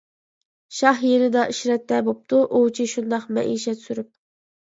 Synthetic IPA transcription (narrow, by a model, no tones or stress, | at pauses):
ʃɑhjenɪd̪ɑʔiʃɾɛt̪ːɛbop̚t̪ʰuʔut͡ʃʰiʃund̪ɑqmɛ̰ʔiːʃɛt̪syɾyp̚